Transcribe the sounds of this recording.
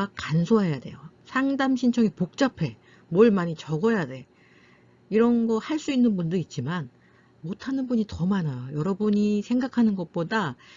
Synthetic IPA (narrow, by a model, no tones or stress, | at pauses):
akansʰoɦajade̞̰josʰaŋdamɕʰint͡ɕʰʌŋipok̚t͡ɕ͈apʰe̞ | mʌɭmaɲit͡ɕʌɡʌjade̞ | iɾʌnɡʌhaɭs͈uinːɯnbundɯɾit̚t͡ɕ͈iman | motʰanɯnbuɲitʌmanajojʌɾʌbuɲisʰeŋɡakʰanɯnɡʌk̚p͈oda